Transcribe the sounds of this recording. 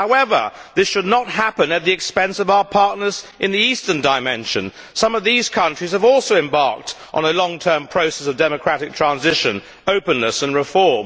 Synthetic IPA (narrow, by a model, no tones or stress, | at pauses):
haʊɛvə̰˞ðɪsʃɨdⁿnət̚ɦæpɨ̃nɨt̪̚ðiɨkspɛ̃nsʌvaʊə˞pʰɑɹʔⁿnə˞z̥ʔɨ̃nðiistə̃˞ndaɪmɛ̃nʃɨ̰̃n | sʌ̃mʌvðiz̥kʰʌ̃nt͡ʃɹ̥iz̥ɨvɔlˠsoʊɨ̃mbɑɹk̚t | ʔn̩əlɔ̃ŋtʰɜ̃˞mpʰɹ̥oʊsɛsʌvdɛmɨkʰɹ̥æɾɨk̚tʰɹ̥æ̃nzɪʃɨ̃n | oʊpɨ̃nləsɨ̃nɹɨfɔɹm